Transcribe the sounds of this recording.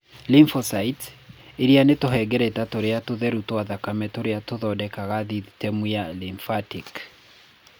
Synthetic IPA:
liɱfɔsaiteɾianetoɦɛɡɛɾɛtatoɾeatoðɛɾutwaðakamɛtoɾeatoðɔdɛkaɣaðiitɛmwialiɱfatik

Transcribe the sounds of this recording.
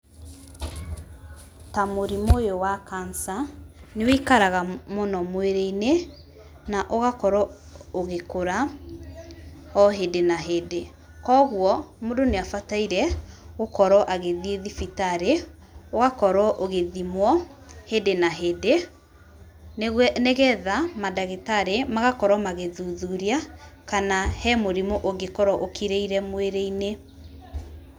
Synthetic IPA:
tamoɾimojowakansaneweikaɾaɣamonɔmweɾeine | naʔoɣakɔɾɔ | oɣekoɾa | ɔɦedenaɦede | kɔːɣwɔmodoneafataiɾɛɣokɔɾɔʔaɣeðieðifitaɾe | oɣakɔɾɔʔoɣeðimwɔhedenaɦede | neɣɛðamadaɣetaɾemaɣakɔɾɔmaɣeðuðuɾiakanahɛmoɾimoʔoɡekɔɾɔʔokʰiɾeiɾɛmweɾeine

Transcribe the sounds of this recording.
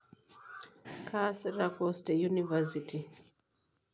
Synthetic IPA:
kʰasɾakɔstɛjunivɛsitʰi

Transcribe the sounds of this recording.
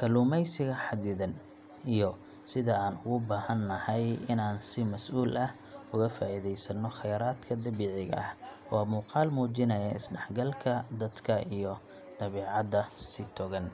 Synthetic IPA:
kʰɐluːmɛjsɪɣɐħɑd̪ɪðɐn | ijɔ | sɪðɐaːnʊɣʊbaːhɐnːɐhɛjɪnaːnsɪmɐsʔuːlʔɐh | ʊɣɐfaːʔɪðɛjsɐnːɔχɛjɾaːd̪kʰɐd̪ɐβiːʕɪɣɐ̰ʔɐh | wɑːmuːqɑːlmuːt͡ʃɪnɐjɐɪsɖɑħɡɐlkʰɐd̪ɐd̪kʰɐijɔ | d̪̥ɐβɛːʕɑðɐsɪt̪ʰɔɣɐn

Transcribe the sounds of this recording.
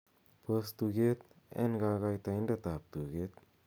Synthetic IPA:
pəst̪uɡet̪̚ | ḛnɡaɡajt̪aindat̪ap̚tuɡet̪̚

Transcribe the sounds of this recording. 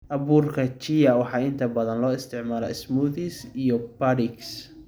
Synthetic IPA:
ʔɐβuːrkʰɐt͡ʃijɐwɑħɑːɪnt̪ʰɐbɐðɐnlɔːɪst̪ʰɪʕmaːlɐ̰ɪsmuːðisijɔbɐɾɪks

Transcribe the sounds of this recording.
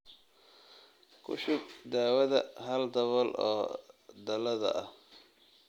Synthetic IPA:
kʰʊ̰ʃɪɡd̪aːwɐðɐɦɐld̪ɐβɔlʔɔːd̪ɐlɐðɐ̰ʔɐh

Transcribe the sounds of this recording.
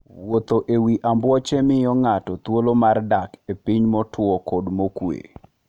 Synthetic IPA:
wot̪oʔewiʔambwɔt͡ʃemɪjɔŋatɔt̪wolomardakepiɲmɔtʰwɔkodmokwḛ

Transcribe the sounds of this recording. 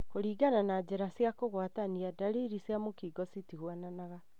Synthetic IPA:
koɾiːɡananad͡ʑeɾasjakoɣwataniadaɾiɾisjamokiɡɔsitiɣwananaɣa

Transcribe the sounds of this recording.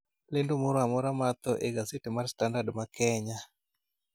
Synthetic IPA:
lendomoɾoamɔɾamat̪ɔʔeɡasɪtemarstandadmakɛɲa

